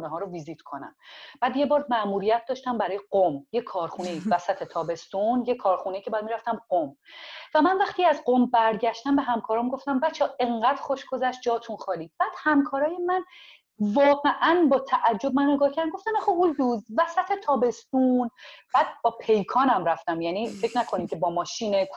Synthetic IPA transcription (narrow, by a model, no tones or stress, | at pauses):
uneɦɒːɾoviziːt̪ʰkʰonæ̰mb̥æːd̪je̞bɒːɾmæʔmuɾijæt̪̚d̪ɒːʃt̪æmbæɾɒːjeɢomjekʰɒːɾxune̞iːvæsæt̪ʰet̪ʰɒːbe̞st̪unjekʰɒːɾxuneicʰebɒjæd̪miɾæft̪æmɢomvæmænvæxt̪iːæzqombæɾɟæʃt̪æmbe̞ɦæmkʰɒːɾɒːmɡo̞ft̪æmvæt͡ʃʰɛe̞ŋɢæːd̪̥xoʃɡo̞zæʃt̪̚d͡ʒɒːt̪ʰunxɒːliːb̥æːd̪̥hæmkʰɒːɾɒːje̞mæn | vɒːɣe̞ʔænbɒːt̪ʰæʔæd͡ʒːo̞bmænneɡɒːhcʰæɾd̪nmɡoft̪æmæxould̪uzvæsæt̪ʰet̪ʰɒːbe̞st̪unb̥æːd̪̥̚bɒːpʰe̞jkʰɒːnæmɾæft̪æmjæniːfecʰnækʰo̞nimcʰe̞bɒːmɒːʃiːne